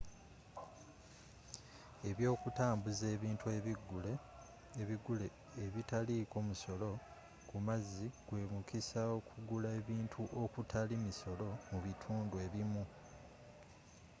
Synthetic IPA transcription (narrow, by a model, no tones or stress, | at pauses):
e̞βjo̞ːkutaːmbuze̞ːβiːntʰue̞βiɡːule̞ː | βiɡule̞ː | βitaliko̞muso̞lo̞ | kumaziɡ̥we̞ːmukisaokʰuɡulae̞βiːntʰuʔokutʰalimiso̞lo̞muβitʰuːndue̞ːβimu